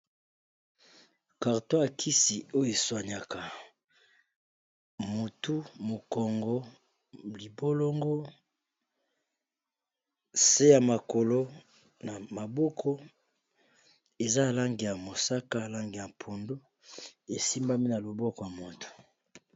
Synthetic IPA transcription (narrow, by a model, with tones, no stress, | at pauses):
ka˨ʁto˦a˨kʰi˦si˨o˦jo˦e˨swa˨ɲa˨ka˨ | mo˨tu˦mo˨kɔ˨ŋɡɔ˦ | li˨bo˦lo˦ŋɡo˦ | se˦ja˨ma˨ko˨lo˦ | na˨ma˨bɔ˦kʰɔ˦ | e˨za˦˨la˦ŋɡi˨ja˨mo˨sa˦ka˦˨la˦ŋɡi˨ja˨pʰo˨ndo˦ | e˨si˦mba˦mi˦na˨lo˨bɔ˦kɔ˨ja˨mo˨tu̥˨